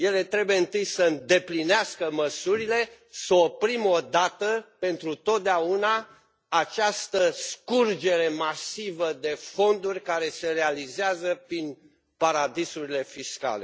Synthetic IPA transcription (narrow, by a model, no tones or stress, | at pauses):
je̞le̞t̪ɾe̞buje̞ɨnt̪ɨjsəɨnd̪e̞plineaskəməsuɾile̞ | səopɾimo̞d̪at̪əpe̞nt̪ɾut̪o̞t̪̚d̪eauna | at͡ʃast̪əskurd͡ʒe̞ɾe̞masivəd̪e̞fo̞nd̪urʲkaɾe̞se̞realizeazəpɾin | paɾad̪isuɾile̞fiska̰le̞̰